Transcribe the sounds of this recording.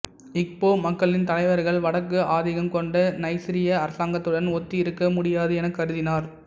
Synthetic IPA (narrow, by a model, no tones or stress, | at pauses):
ɪk̚poːmɐkːɐɭɪnt̪ɐlɐɪʋɐɾɣɐɭʋɐɽɐkːɯʔaːðɪɣɐmkɔɳɖɐnɐɪsɪɾɪjɐːɾɐsaːŋɡɐt̪ːɯɽɐnɔt̪ːɪɪɾɯkːɐmʊɽɪjaːðɯɛnɐkːɐɾɯðɪnaːɾ